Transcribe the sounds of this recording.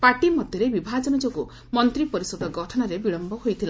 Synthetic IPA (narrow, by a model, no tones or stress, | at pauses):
paʈimɔd̪ʱjɔɾebibʱad͡ʒɔnɔd͡ʒoku | mɔnt̪ɾipɔɾisɔd̪ɔɡɔʈʰɔnɔɾebiɭɔmbɔɦojt̪ʰila